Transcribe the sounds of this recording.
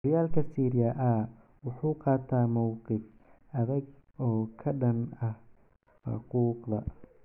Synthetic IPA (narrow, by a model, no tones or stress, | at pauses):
ɾɪjaːlkʰɐsiːɾɪjɐʔɐ | wʊħuːqɑːt̪ʰaːmɔwqɪf | ɐðɐɡɔːkʰɐɖɐnɐh | ħɑ̰quːqðɐ